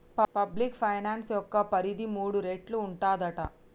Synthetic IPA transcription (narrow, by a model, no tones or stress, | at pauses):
ppɐblikpʰɐjnaːnsjɔkːɐpɐɾid̪imuːɽuɾeːʈluːɳʈaːd̪ɐʈɐ̰